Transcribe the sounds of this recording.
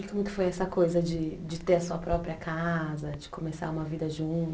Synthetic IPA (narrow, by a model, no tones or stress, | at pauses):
kõmʊkɪ̥fojɛsɐkojzɐd͡ʒɪd͡ʒɪt̪eɾɐsuɐpɾɔpɾiɐkazɐd͡ʒɪ̥komesa̰ũmɐvid̪ɐʒũ